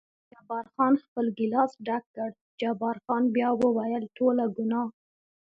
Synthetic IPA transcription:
d͡ʒɑbɑɾxɑnxpəlɡɪlɑsɖakːəɽ | d͡ʒɑbɑɾxɑnbjɑwəwajəlʈolaɡʊnɑ

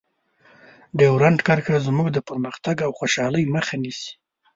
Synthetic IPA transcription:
ɖ̪ewɾaɳɖkaɾkazmuɡd̪əpəɾməxt̪aɡawxoʃɑləjməxanisi̥

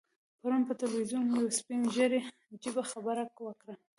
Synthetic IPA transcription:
paɾunpət̪ɪlwizunkjawspinʒəɾe | d͡ʒibaxabaɾakwəkɾa

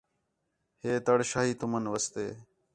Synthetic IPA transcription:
heːt̪əɽʃaːɦiːt̪ʊmənʋəst̪eː

